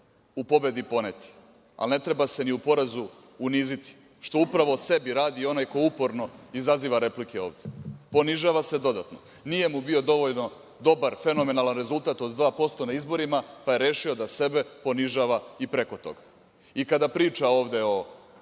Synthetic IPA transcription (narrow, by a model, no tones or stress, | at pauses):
upo̞be̞d̪ipo̞net̪i̥ | a̰lne̞t̪ɾe̞base̞niupo̞ɾezu | uniːzit̪i̥ | ʃt̪o̞upɾaʋo̞se̞biɾaːd̪io̞najko̞jeupo̞ɾno̞izaziːʋaɾe̞plikeo̞ːʋd̪jepo̞niʒaːʋase̞d̪o̞d̪at̪no̞̰ | nije̞mubio̞d̪o̞ʋo̞ʎno̞ | d̪o̞baɾfe̞no̞me̞nalanɾe̞zulˠt̪at̪o̞d̪d̪ʋaːpo̞st̪o̞naizbo̞ɾimapaje̞ɾe̞ːʃio̞d̪ase̞be̞po̞niʒaːʋaipɾe̞ko̞t̪o̞̰ɡḁ | ikad̪apɾiːt͡ʃaoːʋd̪e̞o̞